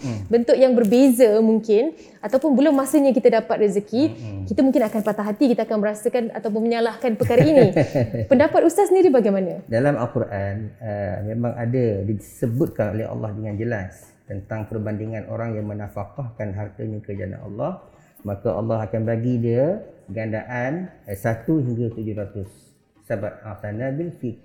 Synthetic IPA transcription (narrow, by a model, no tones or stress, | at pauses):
bənt̪ʊkjaŋbərbezamuŋkɪn | at̪awpʊnbəlʊmasəɲakit̪adapat̪rizəkikit̪amũŋkɪnakanpat̪aɦat̪ikit̪aːkanməɾasakana̰t̪awp̬ʊnməɲalahkanpəkaɾainipəndapat̪ust̪asəndiɾibaɡajmanadalama̰lkuɾʔanəmemaŋa̰dadisəbʊt̪̚kano̰lɛɦɑ̰lːɑ̰hdəŋand͡ʒəlas | t̪ənt̪aŋpərbandiŋãnʔo̰ɾaŋjaŋmənafakɑhkanɦart̪aɲakəd͡ʒa̰na̰nɑ̰lːɑh | makaʔɑ̰lːɑɦakanbaɡidiəɡandaʔansat̪uɦiŋɡat̪ud͡ʒʊhɾat̪ʊsː | abat̪̚asanabilfik̚